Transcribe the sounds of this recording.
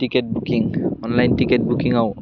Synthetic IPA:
tiket̚bukiŋɔnlajntikɛt̚bukiŋaʊ

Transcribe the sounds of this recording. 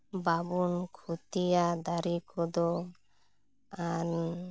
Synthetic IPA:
babunkʰut̪ijad̪aɾikʰɔd̪ɔ | an

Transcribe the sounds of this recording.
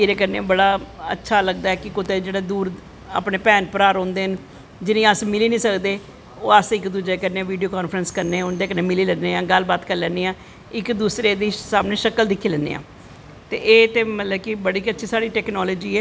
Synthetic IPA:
ɪːɾeːkəɾnḛ̃bəɽaːə̰tːʃʰaːləɡd̪aːɛːkɪkʊt̪eːd͡ʒeːɽaːd̪uːɾ | a̰ːpneːpɛːnpəɾaːɾõːnd̪eːən | d͡ʒɪnĩːəsmɪliːnĩːsəkd̪eː | oːəsɪkd̪uːd͡ʒeːkəɾnẽːʋiːɖijoːkaːnfʰɾənskəɾneːʊnd̪eːkənːeːmɪliːlɛːnːeːãːɡəlbaːt̪kəɾlɛːneːãː | ɪkd̪uːsɾeːd̪iːsaːmneːʃəkəld̪ɪkʰːiːlɛ̃ːnd̪ḛːã̰ː | t̪ḛːʔeːt̪eːmət̪ləbkɪbəɽiːkətːʃʰiːsaːɽiːʈɛːknɔːlɔːd͡ʒiːɛː

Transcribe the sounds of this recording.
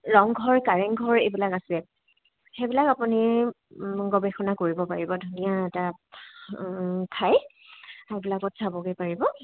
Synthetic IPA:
ɹɔŋɡʱɔɹkaɹɛŋɡʱɔɹebilakasɛ | xebilakapuni | ɡɔbɛxɔnakoɹibɔpaɹibɔdʱunijaɛta | kʰaj | ajbilakɔtsabɔkepaɹibɔ

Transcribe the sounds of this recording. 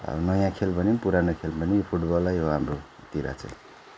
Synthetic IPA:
ʌ̰nʌjãkʰelbʱʌnipuɾanʌkʰelbʱʌnipʰuʈbʌlːajɦoɦamro | t̪iɾa̰t͡sʰʌ̰

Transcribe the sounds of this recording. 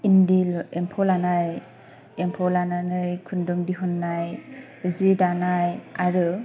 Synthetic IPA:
indilɛmpʰɔlanaj | ɛmpʰɔlananɯjkʰundɔŋdiɦɔnːaj | zidanajaɹɯ

